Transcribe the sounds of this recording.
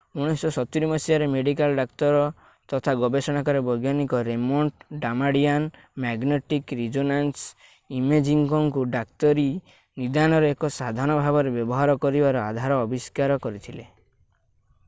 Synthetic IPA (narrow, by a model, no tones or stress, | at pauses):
uɽ̃isɔsɔt̪iɾimɔsiaɾemeɖikalɖakt̪ɔɾɔ | t̪ɔt̪ʰaɡɔbesɔɽ̃akɔɾebɔjɡjanikɔɾemoɳʈɖamaɽijan | maɡneʈikɾid͡ʒonans | imed͡ʒiŋkɔŋkuɖak̚t̪ɔɾi | nid̪añɔɾɔekɔsad̪ʱaɽ̃ɔbʱabɔɾebjɔbɔɦaɾɔkɔɾibaɾɔad̪ʱaɾɔːbiskaɾɔkɔɾit̪ʰile